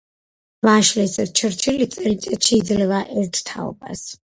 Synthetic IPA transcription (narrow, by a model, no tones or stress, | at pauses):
vaʃlɛsɾt͡ʃʰɾt͡ʃʰilit̪sʼɛlit̪sʼɛt̪ʃiid̪zlɛvaʔɛɾt̪ʰt̪ʰa̰ɔ̰ba̰s